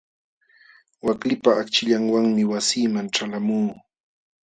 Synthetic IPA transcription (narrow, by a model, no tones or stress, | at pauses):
waklɪpaːkt͡ʃɪʎaŋwaŋmɪwasiːmaŋʈ͡ʂalamuː